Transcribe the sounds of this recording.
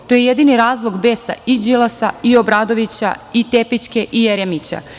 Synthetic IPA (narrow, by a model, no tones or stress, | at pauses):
t̪o̞jejed̪iniɾaːzlˠoɡbesa̰id͡ʒilˠasaio̞bɾaːd̪o̞ʋit͡ɕa̰it̪epit͡ʃkeʔijeɾemit͡ɕa̰